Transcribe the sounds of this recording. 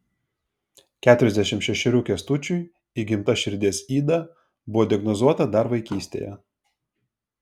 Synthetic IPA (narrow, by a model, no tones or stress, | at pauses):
kʲæːt̪ʊɾʲɛzʲd̪ʲɛʃʲɪmt̪ʃʲɛʃʲɪɾʲuːkʲɛst̪ʊt͡ʃʲʊɪ | iɡʲɪmt̪ɐʃʲɪɾʲd̪ʲeːsiːd̪ɐ | bʊʋoːd̪ʲɪjɛɡnɔzuɔt̪ɐd̪ɐɾʋɐɪkʲiːsʲt̪ʲḛːjɛ̰